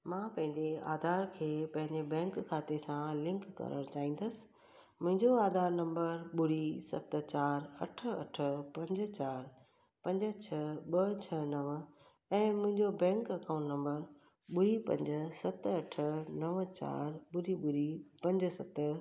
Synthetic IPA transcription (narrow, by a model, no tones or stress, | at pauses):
mãːpɐ̃ɦɪ̃ɲd͡ʑea̰ːd̪ʱaːɾkʰeːpɐ̃ɦɪ̃ɲd͡ʑebɛ̃ːŋkkʰːaːt̪esãlɪ̃ŋkːɐ̰ɾə̰ɽ̃t͡ɕaːɦĩːn̆d̪əsɪ̥̆ | mʊ̃ɦɪ̃ɲd͡ʑoaːd̪ʱaːɾnɐ̃mbəɾɓʊɽisɐ̰t̪̆t͡ɕaːɾɐ̰ʈʰə̆ɐ̰ʈʰə̆pɐ̃ɲd͡ʑ̆t͡ɕaːɾ | pɐ̃ɲd͡ʑə̆t͡ɕʰɐɓɐt͡ɕʰɐnɐʋ | ɛ̃ːmʊ̃ɦɪ̃ɲd͡ʑobɛ̃ːŋkɐkaːʊ̃ɳʈnɐ̃mbəɾ | ɓʊɾipɐ̰̃ɲd͡ʑ̆sɐt̪ɐʈʰə̆nɐʋt͡ɕa̰ːɾɓʊɽiɓʊɾipɐ̃ɲd͡ʑsɐt̪